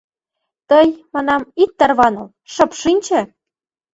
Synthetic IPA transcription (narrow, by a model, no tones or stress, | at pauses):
t̪ɤjmɑnɑmit̪ːɑrβɑnɤ̆l | ʃɤ̆pʃinʲt͡ɕĕ